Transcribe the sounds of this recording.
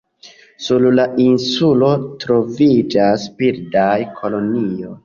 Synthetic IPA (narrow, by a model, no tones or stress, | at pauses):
sullainsulo̞tɾo̞vid͡ʒaspiɾdajkʰo̞lo̞nio̞